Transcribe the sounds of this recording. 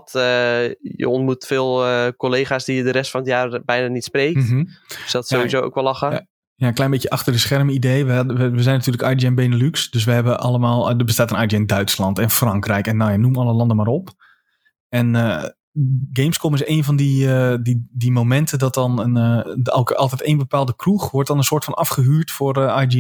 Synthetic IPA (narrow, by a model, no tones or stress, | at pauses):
t | jə̰ɔntmutfɪːlˠkoleːχaːsdijədəɾɛstfɔnətjaːrbɛjnanitspreːksdɔtsoizoːo̰wkʋɛlɑxa | jaklɛjnmbeːtjəʔɑxtərdəsxɛrmidejʋɛəʋəzɛjnatyːləkajdiɛnbeːnəlyksd̥øs̬ʋəɦɛbəʔɑ̰lˠəmaːlˠdəbəstaːtənajdiɛndœɥtslɑntɛnfrɑŋkrɛjkɛnːawjanːumɑlˠəlɑndəmaːrop | ɛnə | ɡejmskomɪseːnfɔndididimomɛntʰədɔt̚ɔnənlˠkɑlˠtɛteːnbəpaːlˠdəkruxʋɔrt̚dɔnənsoːtfɔnɑfχəɦyːɹtforajdi